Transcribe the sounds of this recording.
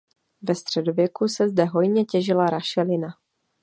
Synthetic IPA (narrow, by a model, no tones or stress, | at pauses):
vɛst̪r̝̥ɛdovjɛkusɛzdɛɦo̞jɲɛcɛʒɪlaɾaʃɛlɪna